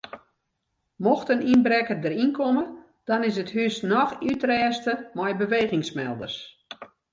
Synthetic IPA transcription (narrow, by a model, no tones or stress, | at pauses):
mɔxtəninbɾɛkərdəɾinkʰɔmə | d̥ɔnɪs̬əthysnɔxytrɛːstəmɛjbəʋeːɣɪŋsmɛ̰lˠdə̰rs